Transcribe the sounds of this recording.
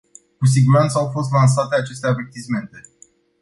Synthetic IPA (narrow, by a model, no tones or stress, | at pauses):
kus̬iɡuɾant̪səawfo̞st̪lans̬at̪e̞at͡ʃe̞st̪eave̞rt̪isme̞nt̪e̞